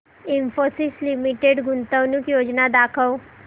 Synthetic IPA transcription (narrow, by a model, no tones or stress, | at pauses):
imfosislimiʈeɖɡʱunt̪əwnikjod͡ʑnad̪akʰəw